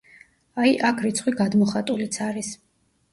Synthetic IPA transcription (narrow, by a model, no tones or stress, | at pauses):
aiʔakʰɾit̪sʰχwiɡad̪mɔχat̪ʼulit̪sʰaɾis